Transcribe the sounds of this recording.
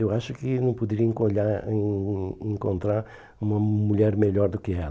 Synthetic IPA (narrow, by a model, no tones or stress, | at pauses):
ewaʃʊkɪnɐ̃w̃pʊd̪ɪɾiɐẽŋkoʎa | ẽŋkõnt̪ɾaɾ | ũmɐmuʎɛɾmeʎɔɾd̪ʊkɪɛl